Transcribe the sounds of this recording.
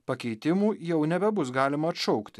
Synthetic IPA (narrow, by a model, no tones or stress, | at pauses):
pɐkʲɛɪt̪ʲɪmuːjɛʊnʲɛbʲɛbʊs̬ɡɑːlʲɪmɐɐt̪ʃɔʊkt̪ʲɪ